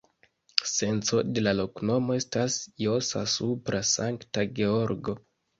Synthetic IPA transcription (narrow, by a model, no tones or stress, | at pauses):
se̞nt͡so̞de̞lalo̞kno̞mo̞e̞stasjo̞sa̰supɾʔasaŋktaɡe̞o̞ɾɡo̞